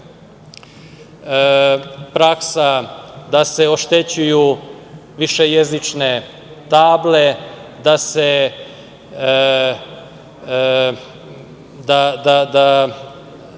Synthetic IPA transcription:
pɾaksad̪ase̞o̞ʃt̪e̞t͡ɕuju | ʋiʃejezit͡ʃne̞ | t̪aːble̞d̪ase | d̪ad̪ad̪a

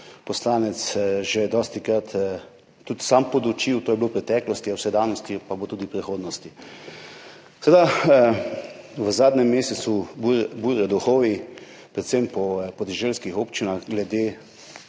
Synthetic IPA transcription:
pɔslaːnɛt̪sʒɛd̪ɔːst̪ikɾat̪ː | ut̪sampɔd̪ut͡ʃiwt̪oːjɛblopɾɛt̪ɛːklɔst̪iawsɛd̪aːnɔst̪ipabot̪uːd̪ipɾɛxoːd̪nɔst̪i | sɛɾd̪a | ʋəzaːd̪nɛmːeːsɛsububuːɾɛd̪uxoːʋi | pɾɛt̪sempɔpɔd̪ɛʒelskixoːpt͡ʃinaxɡlɛd̪eː

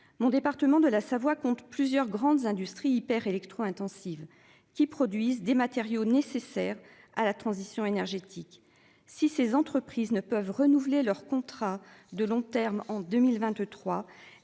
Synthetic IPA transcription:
mɔ̃d̪epaʁt̪əmɑ̃d̪əlasavwakɔ̃t̪plyzjœʁɡʁɑ̃d̪zɛ̃d̪yst̪χiːpɛʁelɛkt̪χoɛ̃t̪ɑ̃siv | kʲipχɔd̪ɥizd̪emat̪eʁjonesesɛʁ | alat̪χɑ̃zisjɔ̃enɛʁʒet̪ʰik | sisezɑ̃t̪χəpχiznəpœvʁənuvlelœʁkɔ̃t̪χad̪əlɔ̃t̪ɛʁmɑ̃d̪ømilvɛ̃t̪t̪χwa

